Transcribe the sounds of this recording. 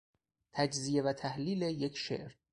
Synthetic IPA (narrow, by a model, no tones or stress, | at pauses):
t̪ʰæd͡ʒzije̞væt̪ʰæhliːlejecʰʃḛʔɾ